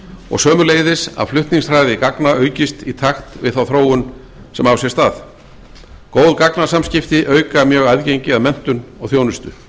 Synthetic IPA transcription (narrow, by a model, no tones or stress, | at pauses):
ɔ̰ɣsœːmʏɾleːjðɪsa̰ðflʏht̪niŋsɾaːjðɪkaknaʔœːɥcɪst̪it̪ʰaxt̪vɪ̰ðθawθɾoːwʏn | sɛmawsjɛst̪aːð | koːwðkaknasamscɪft̪ɪʔœːɥkamjœːɣaðcejɲcɪaðmɛn̥t̪ʏnɔɣθjownʏst̪ʏ̰